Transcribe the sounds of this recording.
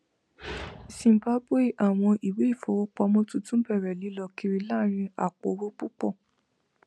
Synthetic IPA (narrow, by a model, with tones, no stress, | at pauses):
sĩ˨m˨ba˦bwe˦˨ʔa˨w̃ɔ̃˧ʔi˨we˨˦i˦˨fɔ˨˦wo˦k͡pɔ˧˦mõ˦tũ˦tũ˦bɛ˦˨ɾɛ˨li˨˦lɔ˧ki˧ɾi˧la˦˨ɾ̃ĩ˧a̰˨k͡po˨˦ɾo˦k͡pu˦k͡pɔ˦˨